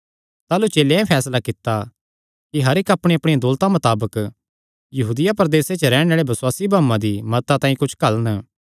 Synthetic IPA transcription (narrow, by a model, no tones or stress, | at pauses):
t̪aːlut͡ʃeːleɛ̃pʰɛːslakɪt̪ːa | kiɦɐɾɪkɐpɽ̃eɐpɽ̃iãd̪ʊːlt̪amɐt̪aːbək | jɐɦuːd̪ɪjapɐɾd̪eːset͡ʃəɾɛːɽ̃aːɭebɐswaːsibãːmːãd̪imɐt̪at̪ãːĩkʊt͡ʃʰkɐlnə